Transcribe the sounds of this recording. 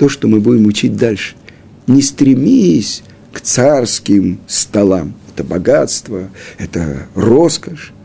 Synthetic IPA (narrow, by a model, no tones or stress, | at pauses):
t̪o̞ʂt̪omɨbudʲɪmʊt͡ɕit̚ʲd̪alʲʂɨ̥ | nʲɪst̪ɾʲɪmʲisʲ | kt̪sarskʲɪmst̪ɐlˠamɛt̪əbɐɡat̪st̪vəɛt̪ə̰ro̞skəʂ